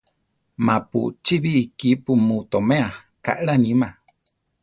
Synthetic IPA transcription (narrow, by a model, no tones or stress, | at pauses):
mãpṵt͡ʃiβiːkipumut̪omẽa | ka̰ʔɺanima